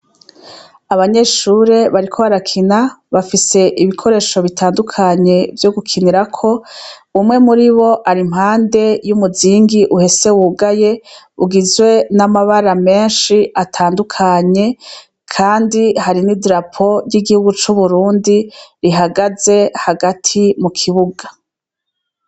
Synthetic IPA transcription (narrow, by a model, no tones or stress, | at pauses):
aβaɲe̞ʃuɾe̞βaɾikʰo̞βaɾakʰinaβafise̞ʔiβikʰo̞ɾe̞ːʃo̞βitʰaːndukʰaɲe̞vjoɡukʰiniɾakʰo̞umŋe̞muɾiβo̞ʔaɾimhaːnde̞jumuziːŋɡiʔuhe̞se̞wuɡaje̞ | uɡizwe̞namaβaɾame̞ːnʃiʔatʰaːndukʰaɲe̞ | kʰaːndihaɾinidɾapʰo̞jiɡihuɡut͡ʃuβuɾuːndiɾiɦaɡaze̞haɡatʰimukʰiβuɡa